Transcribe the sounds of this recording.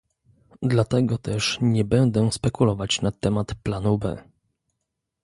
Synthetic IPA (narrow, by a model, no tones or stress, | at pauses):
d̪lat̪ɛɡɔt̪ɛʂɲɛbɛnd̪ɛspɛkulɔvat͡ɕnat̪ɛmat̪planubɛ̰